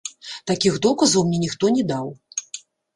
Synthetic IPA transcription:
t̪akʲiɣd̪ɔkɐzɐwmnʲɛnʲixt̪ɔnʲɛd̪aw

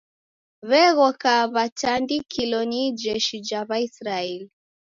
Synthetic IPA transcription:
βɛɣɔkaβatandikʰilɔnid͡ʒɛʃid͡ʒaβaisɾaɛli

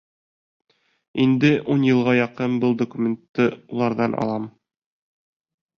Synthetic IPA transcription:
ind̪ɘʔunjɤ̆lˠʁɑjɒqɤnbɤlˠd̪okumʲent̪ːɤulˠɑɾðɑnʔɒ̰lˠɑm

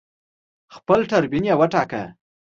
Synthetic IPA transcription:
xpəlʈaɾbinjawəʈɑkə̰

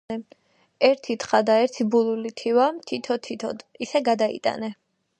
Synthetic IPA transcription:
ɛ | ɛɾt̪ʰit̪χad̪aɛɾt̪ʰibulˠulit̪ʰiwamt̪ʰit̪ʰɔt̪ʰit̪ʰɔd̪isɛɡad̪aḭt̪ʼa̰nɛ

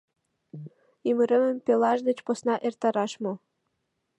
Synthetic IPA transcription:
iməɾə̆mə̆mpelɑʒd̪ə̆t͡ɕposnɑʔert̪ɑɾɑʃmo

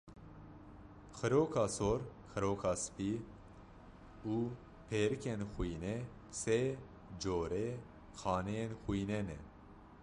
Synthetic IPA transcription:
xɨɾoːkʰɑːsoːɾxɨɾoːkʰɑːsɨ̥pi | uː | pʰeːɾɨkʰenxujnɛ | se | d͡ʒoːɾe | xɑːnɛjenxujnɛnɛ̰

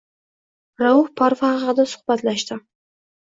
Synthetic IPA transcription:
ɾaʊhpʰaɾfɑʁɑd̪asʊ̥χbat̪laʃt̪ɪ

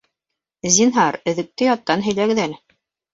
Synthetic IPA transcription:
zʲinɦɑɾɵ̆ðɘ̆k̚t̪ɘjɑt̪ːɑnɦɵ̆jlæɡɘ̆ðælɘ

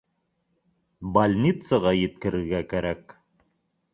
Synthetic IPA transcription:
balʲnʲit̪səʁɑjɘ̆t̪kɘ̆ɾɘ̆ɾɡækæɾæk

